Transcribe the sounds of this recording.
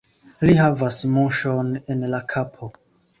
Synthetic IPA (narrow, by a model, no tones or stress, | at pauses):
liɦavasmoʃonenlakʰapʰo